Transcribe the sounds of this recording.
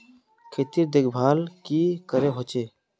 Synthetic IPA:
kʰeːt̪iːɾd̪eɡbʱaːlkikəɾeɦoːt͡ʃeː

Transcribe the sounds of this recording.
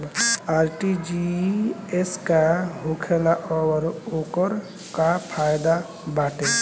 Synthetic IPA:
aːɾʈid͡ʒi | eskaɦokʰelaʔɔwɾokəɾ | kapʰajd̪a | baːʈe

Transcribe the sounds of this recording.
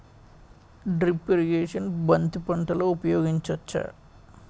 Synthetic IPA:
ɖɾipːeɾiɡeːʂɐnbɐnt̪upɐɳʈɐloːupɐjoːɡiɲt͡ʃʋɐt͡ʃːɐ̰

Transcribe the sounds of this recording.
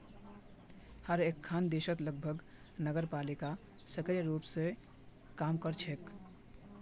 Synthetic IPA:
həɾekʰːand̪esət̪ləɡ̚bʱəɡ | nəɡəɾpalika | səkəɾjəɾupsẽ | kamkəɾt͡ʃʰek

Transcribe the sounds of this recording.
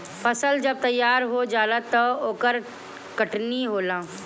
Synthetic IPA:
fʰɐsəld͡ʒɐb̚t̪ɐjːaːɾɦod͡ʒaːlət̪ːəoːkəɾ | kɐʈniɦoːlãː

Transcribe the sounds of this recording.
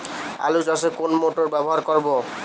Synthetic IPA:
a̰luzasekonmoʈɔɹbɛbɔɦaɹkɔɹbɔ

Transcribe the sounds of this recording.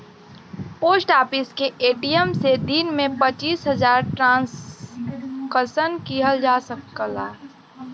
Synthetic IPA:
poːsʈaːpɪskeʔeːʈijəmsed̪iːnmẽpət͡ʃiːsɦəzaːɾʈɾãːs | kəsənkiɦəld͡ʒaːsəkːəlaː

